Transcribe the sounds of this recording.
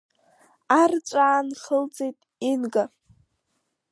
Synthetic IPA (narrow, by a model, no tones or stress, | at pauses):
art͡ʃʷʼaːnχəld͡ze̞jtʼinɡa